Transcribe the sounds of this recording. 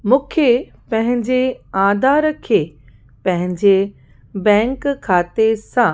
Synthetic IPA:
mũːkʰe | pɐ̃ɦɪ̃ɲd͡ʑeãːd̪ʱaːɾkʰeː | pɐ̃ɦɪ̃ɲd͡ʑe | bɛ̃ːŋkkʰːaːt̪esã

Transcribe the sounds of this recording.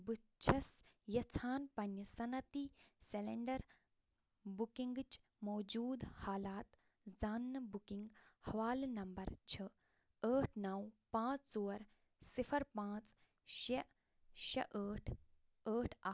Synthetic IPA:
but͡ʃʰɐsjɐt͡sʰaːnpɐnːɐsɐnɐt̪iseleɳɖɐɾ | bukiŋɡt͡ʃ | moːd͡ʒuːd̪haːlaːt̪ | d͡zaːnːɐbukĩŋɡhɐʋaːlnɐmbɐɾt͡ʃʰɐ | əːʈʰnɐwpãːt͡st͡soːɾ | sipʰɐɾpãːt͡s | ʃɐ | ʃɐʔəːʈʰ | əːʈʰɐ

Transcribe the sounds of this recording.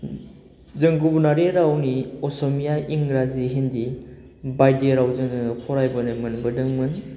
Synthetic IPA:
zɯŋɡubunaɾeɾawniɔsomijaiŋɾaziɦendi | bajdeɾawzɯŋzɯŋnɯkʰɔɾajbɐnɯmɯnbɯdɯŋmɯn

